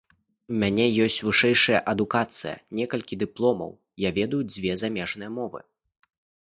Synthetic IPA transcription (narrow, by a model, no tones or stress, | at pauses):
umʲanʲɛjɔsʲt͡sʲvɨʂɛjʂɐjɐʔɐd̪ukat̪sɨjɐ̰nʲɛkɐlʲkʲid̪ɨplˠɔmɐ̰w | javʲɛd̪ujud͡zʲvʲɛzamʲɛʐnɨjɐmɔvɨ̰